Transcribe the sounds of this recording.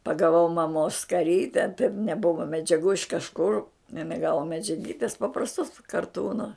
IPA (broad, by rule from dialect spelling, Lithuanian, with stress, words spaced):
pɐɡɐˈʋɐʊ mɐˈmoːs skɐˈrʲiːtʲɛ tɐɪp nʲɛˈbʊʋɐ mʲɛd͡ʒʲɛˈɡuː ɪʃ kɐʃˈkʊr ɪˈnɐɪ ˈɡɑːʋoː mʲɛd͡ʒʲɛˈɡʲiːtʲɪs pɐprɐsˈtoːs kɐrˈtuːnoː